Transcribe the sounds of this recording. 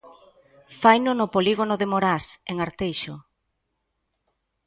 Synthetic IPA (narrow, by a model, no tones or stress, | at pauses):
fajnʊnʊpoliɣonʊðemoɾaseŋaɾt̪ejʃʊ